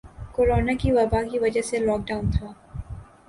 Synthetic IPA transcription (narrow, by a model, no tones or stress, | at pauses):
koːɾoːnakiʋɐbakiʋɐd͡ʒəɦselɔːk̚ɖaːʊnt̪ʰaː